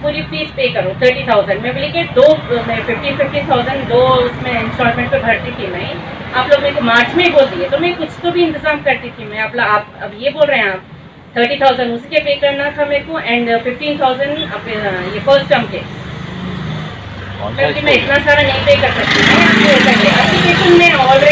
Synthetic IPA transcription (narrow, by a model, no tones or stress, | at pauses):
puːɾifiːt͡ʃpeːkɐɾũt̪ʰəːɾʈit̪ʰaʊzə̃ɳɖmɛ̃boleked̪oːmɛ̃fɪfʈiːnfɪfʈiːnt̪ʰaːʊzə̃ɳɖd̪oːʊsmẽɪ̃nsʈɔːɾmɛ̃ɳʈ̚pebʱɐɾt̪it̪ʰimɛ̃ː | aːploːɡmeːɾkomaːɾt͡ʃmẽboːld̪iet̪omɛ̃kʊt͡ʃʰt̪obʱiɪ̃nt̪ɪzaːmkɐɾt̪it̪ʰimɛ̃ɐploɡaːpɐbjeboːlɾɐɦẽɦaːp̚ | t̪ʰəːɾʈit̪ʰaːʊzə̃ɳɖʊskepeːkɐɾnak̪ʰameːɾkõʔɛ̃ɳɖfɪfʈiːnt̪ʰaːʊzə̃ɳɖɐpjefəːsʈɐmke | kokimɛ̃ɪt̪nasaːɾanɐɦĩpeːkɐɾsɐk̚t̪imɛ̃aiosɐɾeʔɐikeːʃʊnmɛ̃ɔːlɾe